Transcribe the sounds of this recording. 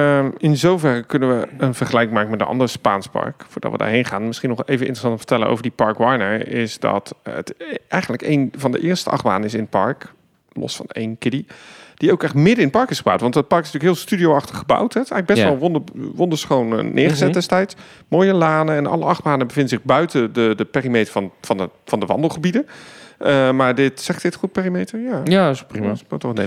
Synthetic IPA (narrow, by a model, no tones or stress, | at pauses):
ɪnzowvɛrəkɵnənʋəənvəɹχəlɛjkɪŋmaːkəmɛt̚dəʔɑ̰ndərəspa̰ːnspɑ̰ɹkfʊːɹdɑ̰ʋəda̰ːɹɦejnχaːnmɪsχinɔχejvənɪntrəsɑntəmvə̥tɛlənʔo̰wvəɹdipɑɹkʋɑjnəɹɪsdɑ̰ttɛjχənləkejnvɑndə̰ʔɪːɹstəʔɑ̰χba̰ːdənɪs̬ɪnətpɑ̰ɹk | lɔ̰sfɑ̰nḛjnkɪdid̥iowkɛχtmɪdəɪnəpɑɹkɪsχəba̰wtʋɑntət̚pɑɹkɪsntyːkɦɪːlˠstydijowɑχtəχəba̰wtʰɦɛtɛɣələɡbɛstʋɛlˠʋondəʋɔndəɹsχown̰nʔɪ̰ːɹχəzɛdɛstɛjts | moːjəlaːnəɛnɑ̰ləʔɑχbaːnəbəvɪndənzɪχbœɥtədədəpeːrimejtəɹvɑnvɑnəvɑndəʋɑ̰ndəlˠχəbidəəmaːɹdɪtsɛχd̥ɪtχut̚peːrimejtəjaːjaprimmatɔχəne